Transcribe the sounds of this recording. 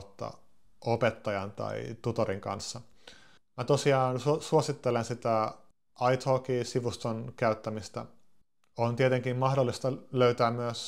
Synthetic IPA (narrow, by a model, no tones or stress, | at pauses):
t̪ːɑ̰ | opet̪ːɑjɑnt̪ɑ̰ḭt̪ut̪oɾiŋkɑ̰nsːɑ | mæt̪osiɑːnssuosit̪ːelensit̪æ | ɑjt̪hokiːsiʋust̪onkæyt̪ːæmist̪æ̰ | ont̪iet̪eŋkimmɑhdolːist̪ɑløyt̪æːmmyøs